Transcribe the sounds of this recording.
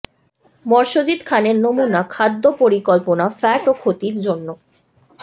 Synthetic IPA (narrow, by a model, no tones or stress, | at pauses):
mɔɾʃod͡ʑit̪kʰaneɾnomunakʰad̪ːopoɾikɔlponafɛʈokʰot̪iɾd͡ʑonːo